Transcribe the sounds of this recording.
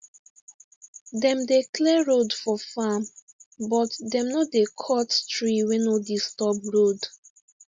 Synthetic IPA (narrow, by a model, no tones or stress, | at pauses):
dɛ̃mdeklɛɹodfɔfam | bɔtdɛ̃mnodekʰɔttɹiwɛnodistɔpɹod